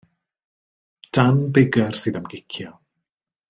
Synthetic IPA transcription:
d̥anbɪɡər̥sɨːðamɡɪkʰjɔ

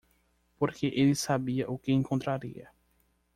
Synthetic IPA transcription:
poɾkeʔelɪsabiɐʔʊkɪẽŋkõnt̪ɾaɾḭɐ̰

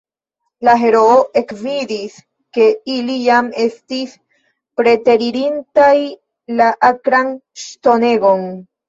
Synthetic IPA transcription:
laɦe̞ɾo̞oʔe̞kvidis | ke̞ilijame̞stis | pɾe̞te̞ɾiɾintaj | laʔakɾanʃto̞ne̞ɡo̞n

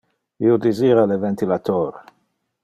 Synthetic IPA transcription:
iod̪iziːɾalevɛnt̪ilat̪ɔːɾ

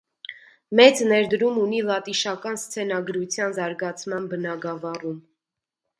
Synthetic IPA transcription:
mɛt͡snɛɾd̪əɾumunilɑt̪iʃɑkɑnst͡sʰɛnɑɡɾut͡sʰjɑnzɑɾɡɑt͡sʰmɑnbənɑɡɑvɑrum

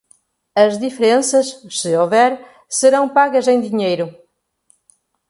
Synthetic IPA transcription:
ɐzðifeɾẽnsɐʃsɨovɛɾ | sɨɾɐ̃w̃paɣɐzẽj̃d̪iɲejɾʊ

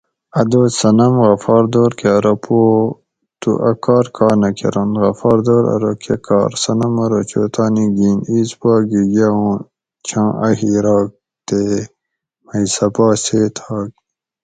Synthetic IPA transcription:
ɐd̪oːsɐnɐmɣɐfɑːɾd̪oːɾkeɐɾɐpʰo | t̪ṵʔɐkɑːɾkɑːnɐkḛɾɐnd̪ɣɐfɑːɾd̪oːɾɐ̰ɾokʰekɑ̰ːɾsɐnɐmɐɾot͡ʃo̰ːt̪aːniɡiːniːzpɑːɡiɡaũ | t͡ʃʰãːʔɐhiɾɑːk̚ | t̪e | mɐisɐpɑːseːt̪ʰɑːɡ̚

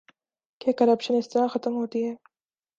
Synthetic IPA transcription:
kekɐɾɐpʃənɪst̪əɾaxɐt̪əmɦoːt̪iɦɛː

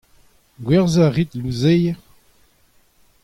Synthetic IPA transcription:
ɡwɛʁzaʁit̪luzej

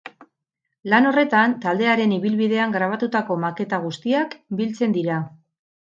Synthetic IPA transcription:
lano̞re̞t̪ant̪ald̪e̞aɾe̞niβilβiðe̞aŋɡɾaβ̞at̪ut̪ako̞make̞t̪aɣ̞ust̪iakbilt͡se̞nd̪iɾa

